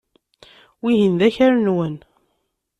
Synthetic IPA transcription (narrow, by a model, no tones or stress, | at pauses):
wiɦinðæçæɾnwən